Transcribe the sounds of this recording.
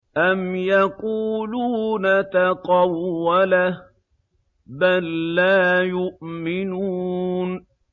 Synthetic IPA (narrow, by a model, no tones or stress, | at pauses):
ʔamjaquːluːnat̪aqɑwːala | balːaːjʊʔmɪnuːn